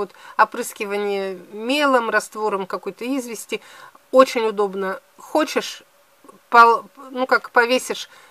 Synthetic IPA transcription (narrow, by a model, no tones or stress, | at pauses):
ot̪ɐpɾɨskʲɪvənʲɪjəmʲelˠəmrɐst̪vo̞ɾəmkɐkojt̪əizvʲɪsʲtʲɪ | ot͡ɕɪnʲʊd̪o̞bnə | xot͡ɕɪʂ | pɐnukakpɐvʲesʲɪʂ